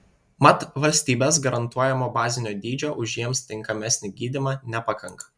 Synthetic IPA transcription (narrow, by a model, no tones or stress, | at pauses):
mɐt̪ʋɐlʲsʲt̪ʲiːbʲeːsɡɐɾɐnt̪uɔjɛmoːbɑːzʲɪnʲoːd̪ʲiːd͡ʒʲoːʔʊʒʲjiɛmst̪ʲɪŋkɐmʲɛsʲnʲɪɡʲiːd̪ʲɪmɑnʲɛpɑkɐŋkɐ̥